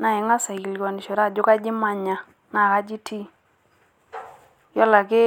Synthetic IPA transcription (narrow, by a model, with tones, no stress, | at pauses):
na˨ɪ˨ŋa˦sa˨i˨lɡɔ˨nɪ˨ʃɔ˨ɾa˦˨d͡ʒʊ˦ka˦d͡ʒɪ˦ma˦ɲa˨ | ŋa˨ka˦d͡ʒi˦tʰi˦ | jɔ˦la˨kɪ˦